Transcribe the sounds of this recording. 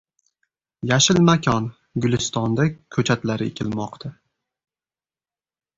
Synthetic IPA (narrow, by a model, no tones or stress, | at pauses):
jaʃɪlmakʲʰɒn | ɡʊlɪst̪ɒnd̪akʲʰɵt͡ʃʰat̪laɾɪekʲʰɪlmɒqt̪ʰa